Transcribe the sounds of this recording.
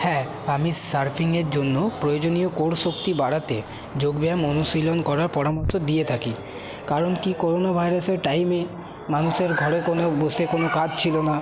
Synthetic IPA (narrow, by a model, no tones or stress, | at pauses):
hɛ̃ | amisaɾpʰiŋeɾd͡ʑonːopɾojod͡ʑonijokoɽsokt̪ibaɽat̪e | d͡ʑoɡbeamɔnuʃilonkɔɾaɾpɔɾamoɾt̪od̪iet̪ʰaki | kaɾonkikoɾonabʱajɾaseɾʈajme | manuʃeɾɡʱɔɾekonobosekonokad͡ʑt͡ɕʰilona